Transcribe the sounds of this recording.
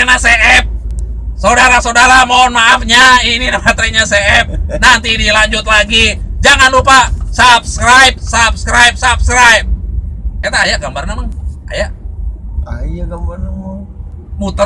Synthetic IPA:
naseʔɛp̚ | saudaɾasaudaɾamoɔnmaːfɲaininamat̪ɾiɲaseʔɛp̚nant̪iːnilaɲd͡ʒʊt̪̚laɡid͡ʒaŋanlupasap̚skɾajp̚sap̚skɾajp̚sap̚skɾajp̚kat̪aːjaʔɡambarnamaŋa̰jaʔ | ajaɡambarnamŋ | mut̪

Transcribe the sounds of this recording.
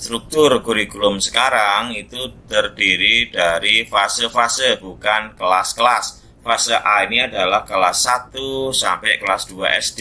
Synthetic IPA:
st̪ɾuk̚t̪ʊrkuɾikulʊmsə̥kaɾaŋit̪ut̪ərdiɾidaɾifasəfasəbukankəlaskəlas | fasəʔainiadalahkəlasːat̪usampɛkəlasdua̰ʔɛsd

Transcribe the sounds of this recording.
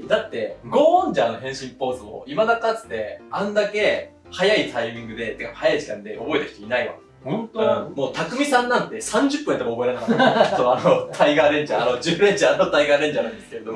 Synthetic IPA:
d̪at̪ːe̞ɡo̞ːõɲd͡ʑaːno̞ɦẽ̞ɰ̃ɕĩmpo̞ːzɨmo̰imad̪akat͡sɨ̥t̪e̞ãnd̪ake̞ | hajait̪ʰaimʲĩŋɡɯ̟d̪e̞t̪ekːaphajaiʑikã̰nd̪e̞o̞bo̞e̞t̪ḁçi̥t̪oinaia̰ | ɯ̃mo̞ːt̪akɯ̟mʲisãnːãnt̪e̞sãɲ̟d͡ʑɨpːɯ̟̃t̪omoːbo̞eɾe̞nakat̪ːsoanot̪ʰaiɡaːɾẽ̞ɲ̟d͡ʑaanod͡ʑɨːɾẽ̞ɲ̟d͡ʑaːnt̪aiɡaːɾẽ̞ɲ̟d͡ʑaːnãnd̪esɨ̥ke̞ɾe̞d̪o̞mo

